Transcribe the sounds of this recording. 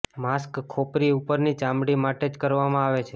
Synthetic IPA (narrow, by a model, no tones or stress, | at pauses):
maskkʰːopɾiupəɾnit͡ʃãmɽimaʈed͡ʒkəɾʋamãaʋet͡ʃʰe